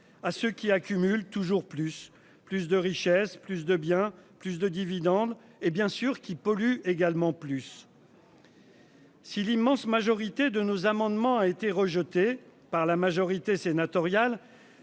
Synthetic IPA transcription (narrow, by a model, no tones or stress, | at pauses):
asøkʲiakʲymylt̪uʒuʁplys | plys̬d̪əʁiʃɛsplys̬d̪əbjɛ̃plys̬d̪əd̪ivid̪ɑ̃d̪ | ebjɛ̃syʁkʲipɔlyeɡalmɑ̃plys | silimɑ̃smaʒɔʁit̪ed̪ənozamɑ̃d̪mɑ̃aet̪eʁəʒət̪epaʁlamaʒɔʁit̪esenat̪ɔʁjal